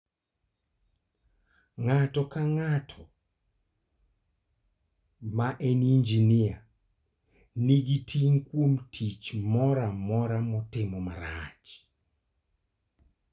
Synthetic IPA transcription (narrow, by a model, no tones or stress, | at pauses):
ŋatɔkaŋatʰɔ | maʔenind͡ʒinia | niɡitʰiŋkwomtʰit͡ʃmɔɾamɔɾamɔtɪmɔma̰ɾat͡ʃ